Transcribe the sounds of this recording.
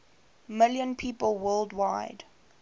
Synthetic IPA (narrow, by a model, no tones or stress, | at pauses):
mɪljə̃npʰiːpəlˠwɜːldwaɪd̥